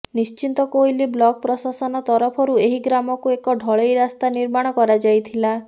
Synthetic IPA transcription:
nist͡ʃint̪ɔkojliblɔk̚pɾɔsasɔnɔt̪ɔɾɔpʰɔɾueɦiɡɾamɔkuekɔɖʱɔɭejɾast̪aniɾmaɽ̃ɔkɔɾad͡ʒajt̪ʰila

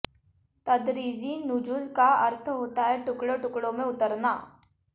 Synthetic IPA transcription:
t̪ɐd̪ɾiːd͡ʒinʊd͡ʒʊlkaɐɾt̪ʰɦoːt̪aɦɛʈʊkɽoʈʊkɽõmẽʊt̪əɾnaː

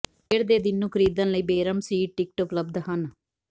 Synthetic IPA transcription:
eːɾd̪eːd̪ɪnːũːkʰəɾiːd̪ənləiːbeːɾəmsiːʈ̚ʈɪk̚ʈʊpləb̚d̪hən

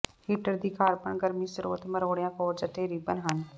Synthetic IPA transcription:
hiːʈəɾd̪iːkʰaːɾpəɳɡəɾmĩːsʊɾo̰ːt̪məɾoːɽjãːkoːɾd͡ʒəʈʰeːɾiːbənɦən

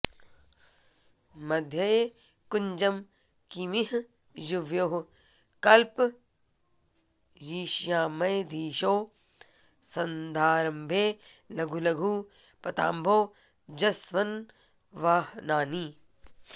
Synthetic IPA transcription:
mɐd̪ʱjɐ | kuɲd͡ʒɐm | kimiɦ | juʋjoːɦ | kɐlp | jiːʃjaːmɐjd̪ʱiːʃoː | sɐnd̪ʱaːɾɐmbʱeːlɐɡʱulɐɡʱuː | pɐt̪a̰ːmbʱoː | d͡ʒɐsʋɐn | ʋaːhnaːniː

